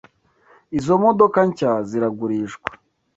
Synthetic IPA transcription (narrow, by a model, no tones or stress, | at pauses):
izo̞modo̞kaɲcaziɾaɡuɾiːʃɡwḁ